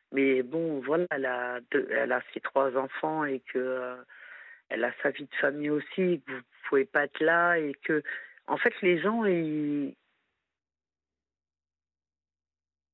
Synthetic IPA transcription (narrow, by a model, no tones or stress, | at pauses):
mɛbɔ̃vwalaɛlad̪øɛ̰laset̪χwazɑ̃fɑ̃ekʰəø | ɛ̰lasavid̪əfamijosiekəvupuvepaɛt̪laekəɑ̰̃fɛt̪leʒɑ̃i